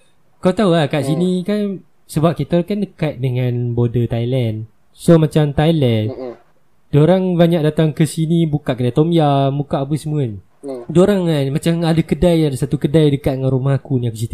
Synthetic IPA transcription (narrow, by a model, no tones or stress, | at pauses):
kawt̪aulahkaʔsinikan | səbap̚kit̪akandəkat̪̚dəŋãnbodət̪ajlɛn | somat͡ʃamt̪ajlɛn | doɾaŋbaɲak̚dat̪aŋkəsinibukaʔkədat̪omiamukaʔap̬əsəmuəni | doɾaŋanmat͡ʃamadəkədajadəsat̪ukədajdəkat̪̚dəŋanɾumahakuniakus̬it̪ə